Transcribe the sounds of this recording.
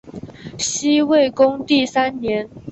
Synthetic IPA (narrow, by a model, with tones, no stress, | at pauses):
ɕi˥we˥˩ɪkʊ˥ŋt̪i˥˩sa˥nnjɛ˧˥n